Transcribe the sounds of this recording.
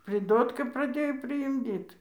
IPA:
pʲrʲɪˈdoːtkɐ prɐˈdʲeːjoː pʲrʲɪɪmʲˈdʲiːt

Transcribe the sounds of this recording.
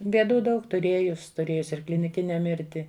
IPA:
bʲeːˈduː ˈdɐʊk tʊˈrʲeːjʊs tʊˈrʲeːjʊs ɪr klʲɪnʲɪˈkʲɪnʲɛ ˈmʲɪrʲtʲɪ

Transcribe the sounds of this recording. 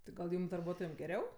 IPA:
ˈtɐɪ ɡɐlˠ ˈjuːm dɐrˈbuɔtoːjɛm ɡʲɛˈrʲɛʊ

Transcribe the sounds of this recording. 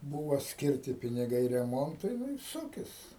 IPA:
ˈbuːʋɐ ˈsʲkʲɪrʲtʲɪ pʲɪnʲɪˈɡɐɪ rʲɛˈmoːntʊɪ ˈnʊ ɪr ˈsʊkʲɪs

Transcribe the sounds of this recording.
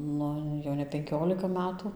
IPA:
ˈnʊ jɛʊ nʲɛ pʲɛŋʲˈkʲoːlʲɪkɐ ˈmʲæːtʊ

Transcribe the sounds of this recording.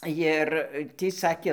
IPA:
ˈjɪr ˈtʲiː ˈsɑːkʲeː

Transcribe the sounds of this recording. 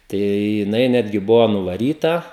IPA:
ˈtɐɪ jɪˈnɐɪ ˈnʲæːdʲɡʲɪ ˈbʊʋoː nʊʋɐˈrʲiːtɐ

